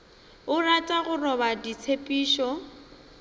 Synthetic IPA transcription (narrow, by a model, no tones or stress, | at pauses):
ʊratʼaɣʊrɔbadit͡sʰepʼiːʃɔ